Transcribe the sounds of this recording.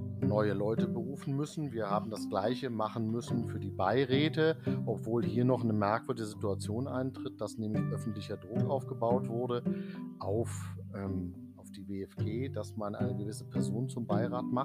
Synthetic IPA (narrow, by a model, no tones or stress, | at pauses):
nɔʏəlɔʏtəbəʁuːfn̩mʏsn̩viːɐhaːbm̩dasɡ̥laɪçəmaχn̩mʏsn̩fyːɐdiːbaɪʁɛːtəʔɔpv̥oːlhiːɐnɔχnəmɛɐkv̥ʏɐdɪɡəzituat͡sjoːnʔa̰ɪntʁ̥ɪt̚d̥asnɛːmlɪçʔœfn̩tlɪçɐdʁʊkʔaʊfɡ̥əbaʊtv̥ʊɐɾəʔaʊfʔɛːm | ʔaʊfd̥iːveɛfɡ̥eːd̥asmanʔa̰ɪnəɡəvɪsə̥pʰɛɐzoːnt͡sʊmbaɪʁaːtma